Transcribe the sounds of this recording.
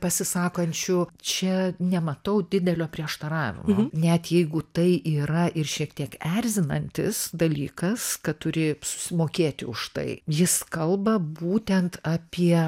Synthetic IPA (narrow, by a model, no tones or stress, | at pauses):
pɐsʲɪsɑːkɐnʲt͡ʃʲʊt͡ʃʲɛnʲɛmɐt̪ɐʊd̪ʲɪd̪ʲɛlʲoːpʲɾʲiɛʃt̪ɐɾɑːʋʲɪ̰monʲɛt̪jɛɪɡʊt̪ɐɪʔiːɾɐʔɪrʃʲiɛkt̪ʲiɛkɛɾʲzʲɪnɐnʲt̪ʲɪ̰sd̪ɐlʲḭːkɐskɐtt̪ʊɾʲɪsʊ̥sʲɪmoːkʲeːt̪ʲɪʊʃt̪ɐ̰ɪjɪskɐlˠbɐbuːt̪ʲɛnt̪ʰɑːpʲiɛ